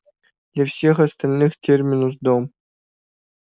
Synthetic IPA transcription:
lʲafsʲexast̪alʲnɨxtʲʰerʲmʲinuzd̪om

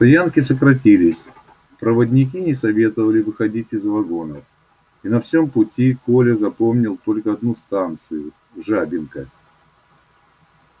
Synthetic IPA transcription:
t̪ɐjankʲɪsəkɾɐtʲilʲɪsʲ | pɾəvədʲnʲɪk̬ʲinʲɪsɐvʲe̞t̪əvəlʲɪvɨxɐdʲitʲɪzvɐɡo̞nəf | inɐfsʲo̞mpʊtʲiko̞lʲɪzɐpo̞mnʲɪlˠt̪o̞lʲkəɐd̪nust̪ant̪sɨjʊ | ʐabʲɪnkə

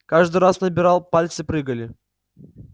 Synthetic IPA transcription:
kaʐd̪ɨɾasnɐbʲɪɾalˠpalʲt̪sɨpɾɨɡəlʲɪ

